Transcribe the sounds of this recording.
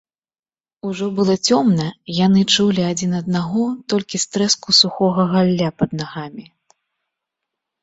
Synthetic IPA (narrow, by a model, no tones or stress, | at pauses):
uʐɔbɨlˠɔt͡sʲɔmnɐjanɨt͡ʂulʲiad͡zʲinɐd̪naɣɔt̪ɔlʲkʲist̪ɾɛskusuxɔɣɐɣalʲːapɐd̪̚naɣamʲi